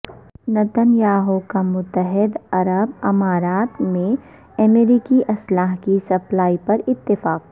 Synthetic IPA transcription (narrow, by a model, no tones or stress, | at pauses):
nɐt̪ənjaːɦokamʊt̪ːəɦɪd̪ɐɾəb̚ɐmaːɾaːt̪mẽ | ɐmeːɾiːkiʔɐslaːɦkisɐplaːipɐɾɪt̪ːɪfaːk